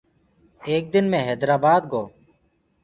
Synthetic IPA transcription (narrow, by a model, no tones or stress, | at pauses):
eːk̚d̪ɪnmẽːɦɛːd̪ɾaːbaːd̪ɡoː